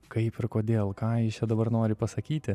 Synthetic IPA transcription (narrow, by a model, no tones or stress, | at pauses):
kɐɪpɪɾkoːd̪ʲeːlˠkɑːɪt͡ʃʲɛd̪ɐbɐrnoːɾʲɪpɐsɐkʲiːt̪ʲɪ